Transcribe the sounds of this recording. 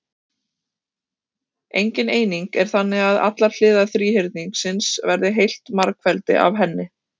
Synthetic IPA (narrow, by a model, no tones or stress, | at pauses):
ḛjɲcɪneːjniŋkɛɾ̥θanːɪɣaða̰t̪laɾ̥l̥ɪːðaθɾiːɦɪɾt̪̚niŋksɪnsvɛɾðɪɦejl̥t̪maɾkfɛlt̪ɪ̰ʔa̰vɦɛnːɪ